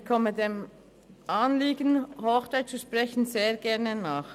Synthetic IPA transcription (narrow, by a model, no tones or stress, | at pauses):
kʰɔmədeːm | ʔaːnliːɡənhoxt͡saɪtt͡suʃpʁ̥ɛçən̩zeːɐɡɛɐnənaːχ